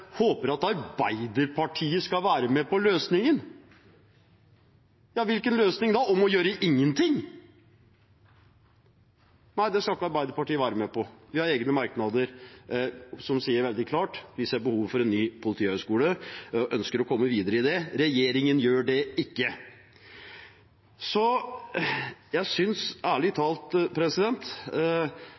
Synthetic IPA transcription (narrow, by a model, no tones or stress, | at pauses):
hoːpəɾɑt̪ɑɾbæɪd̪əɾpʰɑʈʰiːəskɑʋæːɾəmɛpɔløːsnɪŋən | jɑːʋɪlkənløːsnɪŋd̪ɑɔmɔjøːɾəʔɪŋːənt̪ʰɪŋ | næɪd̪ɛskɑlɪkːəɑɾbæɪd̪əɾpɑʈiːəʋæːɾəmɛpɔʋɪhɑɾeːɡnəmɑɾknɑd̪əɾ | sɔmsiːəɾʋɛld̪ɪkʰlɑːʈʋɪsɛbəhuːʋfɔɾɛnːyːpʰʊlɪt̪ʰiːhœskuːləʔœnskəɾɔkʰɔmːəʋiːd̪əɾəɪd̪ɛɾɛjeːɾɪŋənjøːɖɛɪkːə | sɔ | jæɪsʏnsæːɭɪt̪ʰɑːlt̪pʰɾɛsɪd̪ɛnt̪